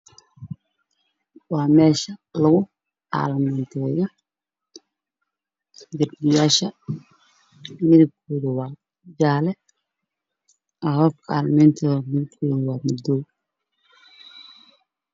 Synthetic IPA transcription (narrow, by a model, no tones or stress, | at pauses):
wɑːmɛːʃɐlɐɣʊ | a̰ːlmɛnt̪ʰɛːjɐ | ɡɐrdɪjaːʃɐ | mɪðɪb̚kʰoːðɐwaː | d͡ʒaːlɛ | ɐhɔfkʰɐa̰ːlmɛnt̪ʰɐmɪðɪbkʰoːðɪwaːmʊd̪ɔː